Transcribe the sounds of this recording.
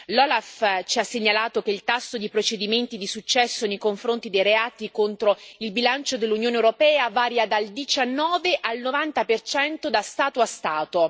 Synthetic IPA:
lɔːlaft͡ʃiasːeɲːalaːt̪ok̟eilt̪asːod̪ipɾot͡ʃed̪iment̪id̪isut͡ʃːɛsːonejkoɱfɾont̪id̪ejɾeaːt̪ikont̪ɾoilbilant͡ʃod̪elːunjoːnewɾopɛːavaːɾjad̪ald̪it͡ʃanːɔːveʔalnovant̪apert͡ʃɛnt̪od̪ast̪aːt̪oast̪aːt̪o

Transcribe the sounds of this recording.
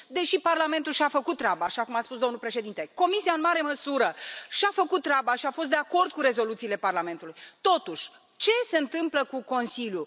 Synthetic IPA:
d̪e̞ʃiparlame̞nt̪ulʃafəkut̪̚ːɾabaːʃakumaspusd̪onulpɾe̞ʃe̞d̪int̪eko̞misiaɨnmaɾe̞məsuɾəʃafəkut̪̚t̪ːɾabaʃiafost̪d̪eako̞rd̪̚kuɾe̞zo̞lut̪siːle̞parlame̞nt̪ulujt̪o̞t̪uʃʲ | t͡ʃe̞se̞ɨnt̪ɨmpləkuko̞nsilju

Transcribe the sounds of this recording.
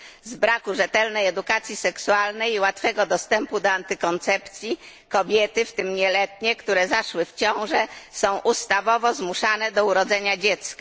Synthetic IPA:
zbɾakuʐɛt̪ɛlnɛjɛd̪ukat̪sʲjisɛksualnɛjiwat̪fɛɡɔd̪ɔst̪ɛmpud̪ɔant̪ɘkɔnt̪sɛpt̪sʲji | kɔbʲjɛt̪ɘft̪ɘmɲɛlɛt̪ɲɛkt̪uɾɛzaʂwɘft͡ɕɔ̃w̃ʐɛsɔ̃w̃ʔust̪avɔvɔzmuʂanɛd̪ɔuɾɔd̪zɛɲad͡ʑɛt̪ska

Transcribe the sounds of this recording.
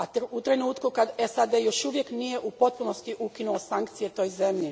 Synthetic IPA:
at̪ut̪ɾe̞nuːt̪kukad̪esad̪e̞jo̞ʃuʋje̞knije̞ʔupo̞t̪̚puno̞st̪iʔukinuosaŋkt̪sijet̪o̞ːjze̞mʎi

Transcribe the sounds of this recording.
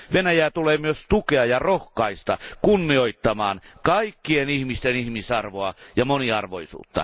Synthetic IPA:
ʋenæjæːt̪uleːmyøst̪ukeɑjɑrohkɑist̪ɑ̰kunːioit̪ːɑmɑ̰ːnkɑikːienihmist̪enihmisɑrʋoɑjɑmoniɑ̰rʋo̰isṵːt̪ːɑ̰

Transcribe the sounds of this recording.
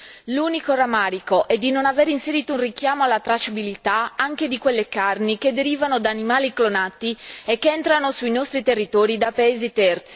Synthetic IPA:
luːnikoramaːɾikoʔɛd̪ːinonaveɾinseɾiːt̪ounrik̟jaːmoalːat̪ɾat͡ʃabilit̪aaŋk̟ed̪ikwelːekarniked̪ːeɾiːvanod̪aːnimaːliklonat̪iekːeɛnt̪ɾanosuinɔst̪ɾit̪erːit̪ɔːɾid̪apaeːzit̪ɛrt̪si̥

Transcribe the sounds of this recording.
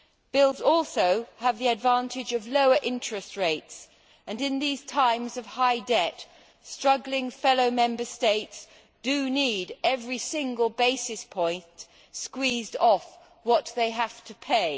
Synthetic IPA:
b̥ɪlˠzɔlˠsoʊəvðiɨdvæ̃ntʰɨd͡ʒʌvloʊə˞ʔɪ̃nt͡ʃɹ̥ɨst̚ɹeɪts | ɨ̃nɨ̃nðiz̥tʰãɪ̃mzʌv̥haɪdɛt | stɹ̥ʌɡlɪ̃ŋfɛlˠoʊmɛ̃mbə˞steɪts | d̥ɨniɾɛvɹisɪ̃ŋɡəlˠbeɪsɨspʰɔ̃ɪ̃nt | skwizdɔf | wʌt̪̚ðeɪɦæftʰɨpʰeɪ

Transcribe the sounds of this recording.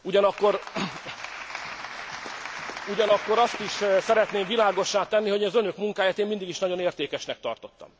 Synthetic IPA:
uɟɒnɒkːoɾ | uɟɒnɒkːo̞ɾɒst̪iʃsɛɾɛt̪neːmvilaːɡo̞ʃːaːt̪ɛnːiɦo̞ɟ̪zønø̞kmuŋkaːjaːt̪eːmind̪iɡiʃnɒɟo̞neːrt̪eːkɛʃnɛk̚t̪ɒ̰rt̪o̞t̪ːɒ̰m

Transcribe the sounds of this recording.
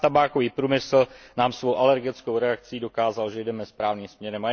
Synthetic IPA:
t̪abaːkoviːpɾuːmɪsl̩naːmsvo̞wʔalɛɾɡɪt͡skowɾɛak̚t͡sido̞kaːzalʒɛjdɛmɛspɾaːvniːmsmɲɛɾɛma

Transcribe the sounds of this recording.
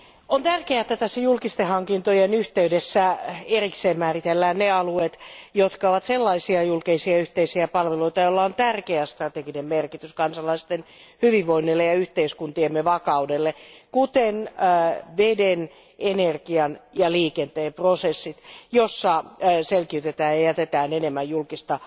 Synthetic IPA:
ont̪ærkeæet̪ːæt̪æsːæjulkist̪ehɑŋkint̪ojenyht̪eydesːæerikseːmmæːrit̪elːæːnneɑluet̪jot̪kɑoʋɑt̪selːɑisiɑjulkeisiɑyht̪eisiæpɑlʋeloit̪ɑjolːɑont̪ærkeæst̪rɑt̪eɡinemmerkit̪yskɑnsɑlɑist̪en | hyʋiʋːoinːilːejɑyht̪eiskunt̪iemːeʋɑkɑudelːekut̪enː | ʋeden | enerɡiɑnjɑliːkent̪eːmprosesːit̪josːɑselkiyt̪et̪æːjɑjæt̪et̪æːnenemːæjjulkist̪ɑ

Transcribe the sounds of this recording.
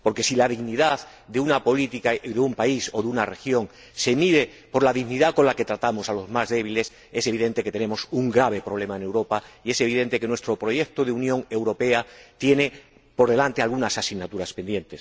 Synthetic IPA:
po̞ɾke̞silað̞iɣniðað | d̪eunapo̞lit̪ikaðeumpaisoðunare̞xjo̞ŋ | se̞miðe | po̞ɾlaðiɣniðako̞nlake̞t̪ɾat̪amosalo̞zmazðe̞β̞ile̞s | e̞seβiðe̞nt̪e̞ket̪enẽ̞mo̞suŋɡɾaβ̞e̞pɾo̞β̞le̞maene̞wɾo̞paie̞se̞β̞iðe̞nt̪e̞kenwe̞st̪ɾopɾo̞jek̚t̪oðeunjõ̞ŋe̞wɾo̞pe̞at̪je̞ne̞ | po̞ɾð̞e̞lant̪ealɣunasasiɣnat̪uɾaspend̪je̞nt̪e̞s

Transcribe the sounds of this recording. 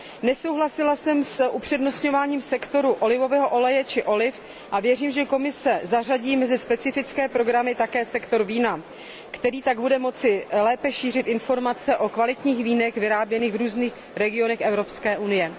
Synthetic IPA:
nɛso̞wɦlasɪlasɛmsʔupr̝̥ɛdno̞sɲo̞vaːɲiːmsɛkt̪o̞ɾuʔo̞lɪvo̞vɛːɦo̞ʔo̞lɛjɛt͡ʃɪʔo̞lɪf | ʔavjɛriːmʒɛko̞mɪsɛzar̝aɟiːmɛzɪspɛt͡sɪfɪt͡skɛːpɾo̞ɡɾamɪt̪akɛːsɛkt̪o̞ɾviːna | kt̪ɛɾiːt̪aɡbudɛmo̞t͡sɪlɛːpɛʃiːr̝ɪt̪ɪnfo̞ɾmat͡sɛʔo̞kvalɪt̪ɲiːxviːnɛxvɪɾaːbjɛniːɣvɾuːzniːx | ɾɛɡɪo̞nɛxʔɛvɾo̞pskɛːʔunɪjɛ

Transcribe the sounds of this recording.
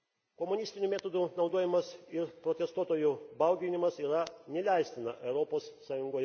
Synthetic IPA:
komʊnʲɪsʲt̪ʲɪnʲumʲæːt̪oːd̪uːnɒʊd̪oɔjɪmɐsɪɾpɾoːt̪ʲɛst̪uɔt̪oːjubɐˑʊɡʲɪnʲɪmɐsiːɾɐnʲɛlʲæɪsʲt̪ʲɪnɐʔɛʊɾoːpoːsːɑːjʊŋɡoɔjɛ

